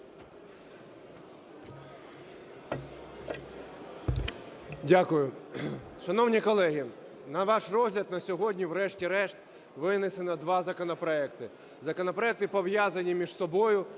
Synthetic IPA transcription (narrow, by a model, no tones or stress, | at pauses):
dʲakʊjʊ | ʃɐnɔwnʲikɔlˠɛɦʲi | nɐʋɑʃrɔzɦlʲɐd̪nɐsʲɔɦɔdʲnʲiʋɾɛʃtʲiɾɛʃt̪ | ʋɪnesenɐd̪ʋɑzɐkɔnɐpɾɔɛkt̪ɪ | zɐkɔnɐpɾɔɛk̚t̪ɪpɔwjazɐnʲimʲiʒsɔbɔjʊ